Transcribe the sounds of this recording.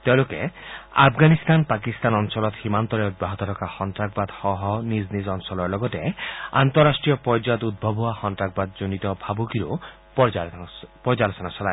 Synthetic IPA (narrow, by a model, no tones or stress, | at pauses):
t̪ewlokḛa̰bʰʱɡanist̪anpakist̪anɔnsɔlɔt̪himant̪ɔɾeud̪̚baɦɔt̪ɔɾɔkaxɔntɾak̚bad̪hɔɦɔniznizɔnsɔlɔɾlɔɡɔtea̰nt̪ɔɾasʈɾijɔpɔɾd͡ʒad̪ud̪̚bʱɔbʱɔwaxɔntɾak̚bad̪̚d͡ʒonit̪ɔbʱabukiɾo | p | pɔd͡ʒalosɔnaʃɔla